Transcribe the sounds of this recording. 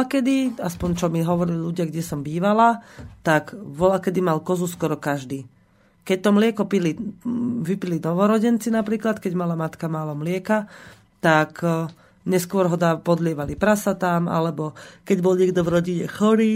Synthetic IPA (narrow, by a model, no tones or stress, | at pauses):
akɛd̪iaspɔɲt͡ʃɔmiɦɔʋɔɾililuɟɪaɡɟɛsɔmbiːʋalat̪aɡʋɔlakɛd̪imalkɔzuskɔɾɔkaʒd̪iː | kɛc̚t̪ɔmlɪɛkɔpili | ʋipilinɔʋɔɾɔɟɛnt͡sinapɾiːklat̪kɛɟmalamat̪kamaːlɔmlɪɛka | t̪ak | ɲɛskʊɔɾɦɔd̪aːpɔd̪lɪɛʋalipɾasat̪amʔa̰lɛbɔkɛɟbɔlɲɪɛɡd̪ɔvɾɔɟiɲɛxɔɾiː